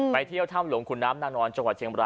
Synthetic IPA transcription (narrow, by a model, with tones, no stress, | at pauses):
pa˧jt̪ʰi˥˩əwt̪ʰaː˥˩mlu˨˩˦əŋkʰu˧nːaː˦˥mnaː˥˩nɔː˧nt͡ɕa˧ŋwa˨˩t̪̚t͡ɕʰi˧əmɾaː˧